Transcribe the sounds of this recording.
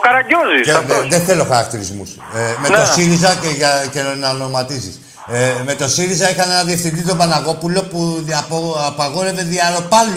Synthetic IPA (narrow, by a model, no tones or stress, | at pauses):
okɐɾɐɟoziseðeθelo̞xɐɾɐkt̪iɾizmṵs | met̪o̞siɾizɐeʝɐcenɐnomɐt̪isḭs | me̞t̪o̞siɾizɐixɐne̞nɐðiefθind̪it̪obɐnɐɣo̞pulo̞puɐpopɐɣo̞ɾe̞ve̞ðiɐɾo̞pɐl